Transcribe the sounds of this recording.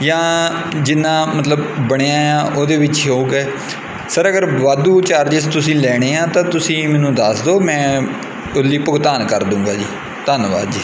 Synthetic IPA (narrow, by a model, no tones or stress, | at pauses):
jãːd͡ʒɪnːãːmət̪ləbːəɽ̃eãːjãːʔoːd̪eːʋɪt͡ʃɦouːɡɛː | səɾəɡəɾʋaːd̪uːt͡ʃaːɾd͡ʒəst̪ʊsĩːlɛːɽ̃eːãːt̪ãːt̪ʊsĩːmɛ̃ːnũːd̪aːsd̪oːmɛ̃ː | ʊliːpʊɡt̪aːnkəɾd̪ũːŋɡaːd͡ʒiː | t̪ənʋa̰ːd͡ʒ